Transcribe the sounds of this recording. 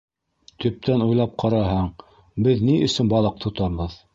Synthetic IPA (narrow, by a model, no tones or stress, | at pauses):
t̪ɵ̆p̚t̪ænujlˠɑp̚qʰɑɾɑɦɑɴ | bɘðniʔɵ̆sɘnbɑlˠɤq̚t̪ʰŏt̪ɑɾβɤð